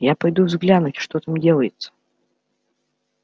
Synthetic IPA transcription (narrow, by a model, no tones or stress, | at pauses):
japɐjd̪uvzɡlʲanutʲʂt̪ot̪amdʲelˠəjɪt̪sə̥